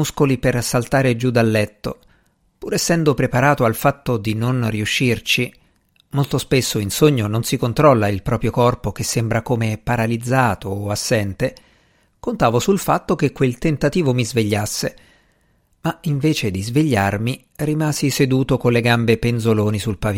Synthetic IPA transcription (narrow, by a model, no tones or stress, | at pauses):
muskolipersalt̪aːɾed͡ʒud̪alːɛt̪ːo | puːɾɛsːɛnd̪opɾepaɾaːt̪oalfat̪ːod̪inonriuʃːirt͡ʃi | molt̪ospesːoinsoɲːononsikont̪ɾɔlːailpɾɔːpɾjokɔrpok̟esːembɾakomepaɾalid̪zːaːt̪oːasːɛnt̪e | kont̪aːvosulfat̪ːokekːwelt̪ent̪at̪iːvomizveʎːasːe | maiɱveːt͡ʃed̪izveʎːarmi | rimaːzised̪uːt̪okonlːeɡambepenzoloːnisulpavi